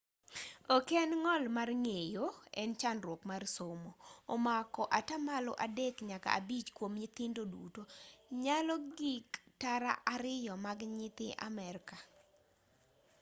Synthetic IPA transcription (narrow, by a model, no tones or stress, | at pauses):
okɛnŋɔlmarŋejoɛ̰nt͡ʃanɾwokmarsomoːmakɔʔatamalɔʔadɛkɲaka̰ːbit͡ʃkwomɲɪt̪ɪndodṵtoɲalɔɡiktaɾa̰ʔaɾɪjɔmaɡɲɪt̪ɪʔa̰mɛrka